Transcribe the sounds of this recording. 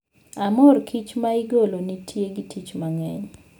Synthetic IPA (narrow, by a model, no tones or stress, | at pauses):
amɔrkʰit͡ʃmaɪɡolonitʰjeɡitʰit͡ʃmaŋɛɲ